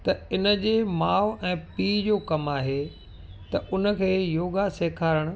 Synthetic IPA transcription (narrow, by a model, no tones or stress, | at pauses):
t̪ɐɪnə̆d͡ʑeːmaːʋɛ̃ːpiːd͡ʑoːkɐmaːɦe | t̪ɐʔʊnə̆kʰeːjoːɡaseːkʰaːɾəɽ̃ʊ̆